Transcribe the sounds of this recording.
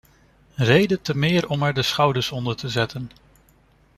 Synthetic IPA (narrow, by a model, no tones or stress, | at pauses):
rejdətəmɪːɹɔmɛɹdəsχɑwdəɹsɔndəɹtəzɛtən